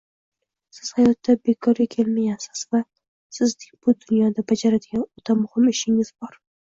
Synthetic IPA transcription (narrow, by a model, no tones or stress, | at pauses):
sɪz̥hajɒt̪ːabe̞kʰɒɾɡʲakʲʰe̞lmaɡʲansɪ̥z̥va | sɪznɪŋʲb̥ʊd̪ʊnjɒd̪abad͡ʒaɾad̪ɪɡʲanot̪ʰamʊhɪmɪʃɪŋɪz̥bɒɾ